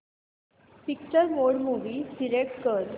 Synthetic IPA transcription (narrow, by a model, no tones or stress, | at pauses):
pik̚t͡ɕəɾʋoɽmuʋiːsiɾeʈkəl